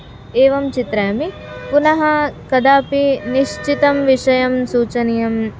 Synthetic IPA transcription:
eːʋɐmt͡ʃit̪ɾɐjɐmi | punɐɦɐkɐd̪aːpiniʃt͡ʃit̪ɐmʋiʃɐjɐmsuːt͡ʃɐnijɐm

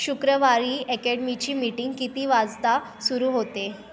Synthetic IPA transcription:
ɕukɾəʋaɾiːɛkɛɽmit͡ɕiːmiʈiŋɡkit̪iːʋad͡zt̪a | suɾuːɦot̪e

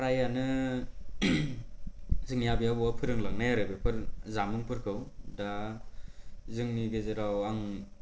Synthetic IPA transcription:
ɾajanɯ | zɯŋjabijabɔwapʰɯɾɯŋlak̚najaɾɯbɯpʰɯɾzamɯŋpʰɯɾkʰɯwda | zɯŋniɡezeɾawaŋ

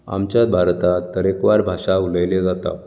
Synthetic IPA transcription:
a̰mt͡ɕjabʱaɾt̪at̪ːəɾekʋaɾbʱaʂauləjled͡zat̪a̰

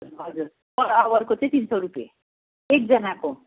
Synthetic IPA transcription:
ɦʌd͡zuɾ | bʌɾawʌɾkot͡sʌ̃j̃t̪insʌɾupjḛ | ek̚d͡zʌnako

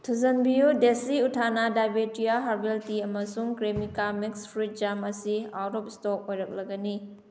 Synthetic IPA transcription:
tʰuzɐnbijudesiutʰanadajbetijaɦaɾbeltiɐmɐsuŋkɾemikamikspʰɾit̚d͡ʒamɐsiawɾɔp̚stok̚ojɾɐk̚lɐɡɐni

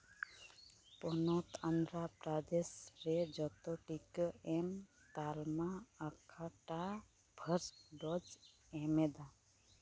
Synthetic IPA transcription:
pɔnɔt̪and̪ɾapɾad̪esɾɛd͡ʒɔt̪ɔʈikəɛm | t̪almaːkʰaʈa | bʱəɾɖɔd͡ʒ | ɛmɛd̪a

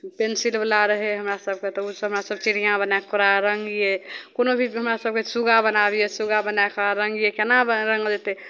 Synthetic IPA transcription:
pensilbəlaɾəɦɛɦəmɾasəb̚ket̪ɔusɦəmɾasəbt͡ʃiɾijãbənakoɾaɾəŋɡjekonobʱiɦəmɾasəb̚kesuɡabənabijesuɡabənakɾaɾəŋɡjekenabɾəŋɡd͡ʒet̪ɛ

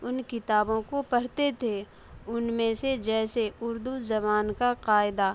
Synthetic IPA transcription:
ʊnkɪt̪aːbõkopɐɽ̤t̪et̪ʰe | ʊnmẽsed͡ʒɛːseʊɾd̪uzɐbaːnkaqaːɪd̪aː

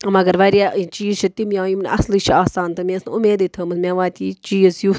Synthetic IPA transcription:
mɐɡɐɾʋɐɾjaːt͡ʃiːzt͡ʃʰɐt̪imjãːjumnʔɐ̰slit͡ʃʰiaːsaːnt̪ɐmẽsnumeːd̪it̪ʰɐːmɐsmʲãʋaːt̪ʰiːt͡ʃiːzju

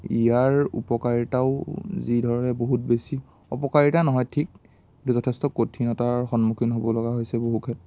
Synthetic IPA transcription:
ijaɹṵpɔkaɹitaʊzidʱɔɹɔnɛboɦut̚besi | ɔ̰pɔkaɹitanɔɦɔjtʰik̚ | ɡintuzɔtʰɛstɔkotʰinɔtaɹxɔnmukʰinɦobɔlɔɡaɦojsɛboɦukʰɛtɔ

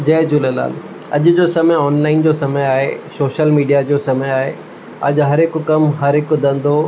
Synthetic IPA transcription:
d͡ʑɐːd͡ʑʊlela̰ːl | ɐ̰ʄʊd͡ʑoːsɐməjɔːnlaːɪnd͡ʑoːsɐməjaːɦḛsoːʃəlmiːɖijad͡ʑoːsɐməjaːɦe | ɐ̰ʄɦɐɾɦɪkʊkɐmɦɐɾɦɪkʊd̪ɐ̃n̆d̪o

